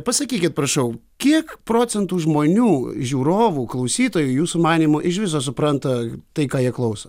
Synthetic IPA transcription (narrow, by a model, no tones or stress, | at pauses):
pɐsɐkʲiːkʲɪt̪̚pɾɐʃɐʊ | kʲiɛkpɾoːt͡s̪ʲɛnt̪uːʒmoːnʲuːʒʲuːɾoːʋuːklˠɐʊsʲiːt̪oːjʊjuːsʊmɑːnʲiːmʊʔɪʃʋʲɪs̬oːs̬ʊpɾɐnt̪ɐt̪ɐɪkɑːjiɛklˠɐʊsɐ